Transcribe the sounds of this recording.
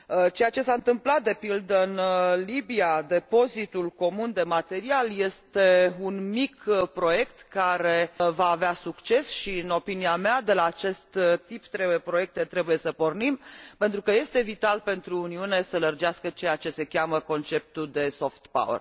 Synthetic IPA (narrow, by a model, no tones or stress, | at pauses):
t͡ʃe̞jat͡ʃe̞saɨnt̪ɨmplat̪̚d̪e̞pild̪əɨnlibiad̪e̞po̞zit̪ulko̞mund̪e̞mat̪e̞ɾialje̞st̪e̞unmikpɾo̞je̞kt̪kaɾe̞vaːveasukt͡ʃe̞sʃiɨno̞piniamead̪e̞laːt͡ʃe̞st̪t̪ipt̪ɾe̞bujepɾo̞je̞k̚t̪e̞t̪ɾe̞buje̞səpo̞rnimpent̪ɾukəje̞st̪e̞vit̪alpe̞nt̪ɾuːniune̞sələrd͡ʒeaskət͡ʃe̞jat͡ʃe̞se̞kʲaməko̞nt͡ʃe̞p̚t̪ud̪e̞so̞ft̪pa̰wə̰r